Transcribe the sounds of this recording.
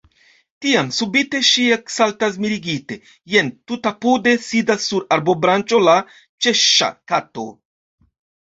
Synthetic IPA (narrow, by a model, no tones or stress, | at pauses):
tiamsubite̞ʃieksaltas̬miɾiɡite̞ | je̞ntutapude̞sidasːuɾaɾbo̞bɾant͡ʃo̞la | t͡ʃe̞ʃa̰kato̞̰